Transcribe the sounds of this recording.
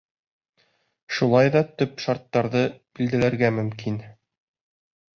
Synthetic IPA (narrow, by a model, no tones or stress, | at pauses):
ʃulˠɑjðɑt̪ɵpʃɑɾt̪ːɑɾðɤbild̪ɘ̆læɾɡæmɵ̆mkin